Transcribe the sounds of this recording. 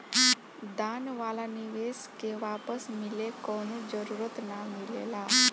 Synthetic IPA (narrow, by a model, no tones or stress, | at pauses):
d̪anʋaːlaniʋeskeʋaːpəsmilekɔnũd͡ʒəɾuɾət̪namilela